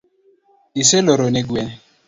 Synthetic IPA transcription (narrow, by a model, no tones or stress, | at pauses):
iseloɾoneɡwɛn